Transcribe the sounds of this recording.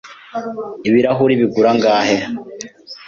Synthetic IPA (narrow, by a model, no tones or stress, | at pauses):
iβiɾaɦuɾiβiɡuɾaŋɡaːhe